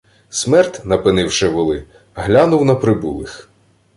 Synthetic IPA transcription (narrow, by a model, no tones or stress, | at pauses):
smɛrt̪ʲnɐpɪnɪwʃɪʋʊlˠɪ | ɦlʲanʊwnɐpɾɪbṵlˠɪx